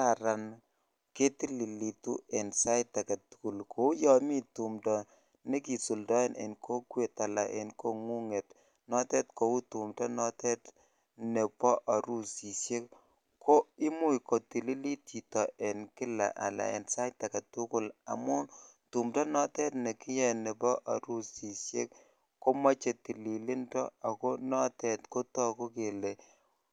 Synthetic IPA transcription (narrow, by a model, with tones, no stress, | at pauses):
ka˨ɾa˨n | ke˦ti˦li˨li˨tṵ˦e˨nsa˦jta˨ka˨tu̥˦ku˨lkʰo˦u˦jɔ˨mi˦tu˨mdɔ˨ | ne˦ki˨su˨ldɔ˦e˦nʔḛ˨nkʰo˦kwe˨ta˨la˨ʔḛ˨nko˦ŋu˦ŋe˨t | nɔ˦tɛ˦tko˨u˦tu˨mdɔ˦nɔ˦tɛ˦t | ne˨pɔ˦ʔa˨ɾu˦si˨sje˦ | kʰo˦i˦mu˦˨ko˨ti˨li˦li˦ti˨tɔ˨e˨nkɪ˦la̰˨ʔa̰˨la̰˨ḛ˨nsa˦jta˨ka˨tʊ˦kʊ˦la̰˨mʊ˦n | tu˨mta˦nɔ˦tɛ˦tne˨kɪ˦jɛ˦nɛ˨pɔ˦ʔa˨ɾu˦si˨sjḛ˦k | ko˦ma˦t͡ʃe˨ti˨li˨li˦ntɔ˦a˨ko˦nɔ˦tɛ˨tko˦tɔ˦ko˦ke˨le˨